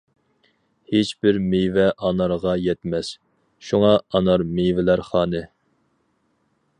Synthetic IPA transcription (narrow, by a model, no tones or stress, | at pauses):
het͡ʃbɪɾmejvɛʔɑnɑɾʁɑjɛt̪mɛs | ʃuŋɑɑnɑɾmejvɪlæɾχɑːnɨ